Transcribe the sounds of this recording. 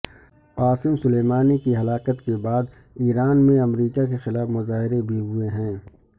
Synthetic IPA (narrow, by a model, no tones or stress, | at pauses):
paːsɪmsʊleːmaːnikiɦɐlaːkət̪kebaːd̪ | iːɾaːnmẽɐmɾiːkakexɪlaːfmʊzaːɦɪɾebʱiɦʊeɦɛ̃ː